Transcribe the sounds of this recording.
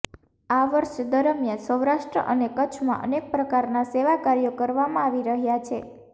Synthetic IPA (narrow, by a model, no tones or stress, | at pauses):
aʋəɾʃd̪əɾəmjənsəwɾaʃʈɾə̰ʔənekət͡ʃʰmã̰ʔə̰nek̚pɾəkaɾnaseʋakaɾijokəɾʋamãaʋiɾəɦjat͡ʃʰe